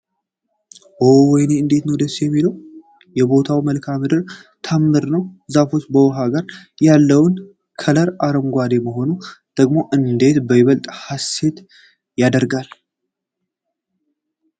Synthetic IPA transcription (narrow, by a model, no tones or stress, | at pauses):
ʔowɔjneɨnd̪e̞t̪nəwd̪əsːjɛmːiləw | jɛbo̞t̪ʰawməlkʰamɨd̪ɨɾ | t̪ʰamːɨɾnəwzafo̞t͡ʃːbəwɔɦaɡaɾjalːəwn | kʰələɾaɾəmɡʷad̪e̞məɦo̞nud̪̥əɡmo̞ʔɨnd̪e̞t̪bəjɪβəlt̪ʼhase̞t̪ | jad̪əɾɡal